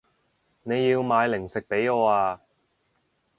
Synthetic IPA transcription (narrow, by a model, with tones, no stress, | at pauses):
ne˨˧jːiː˧wmaː˨˧jlɪ˨˩ŋsɪ˨k̚pe˨˥jɔː˨˧aː˧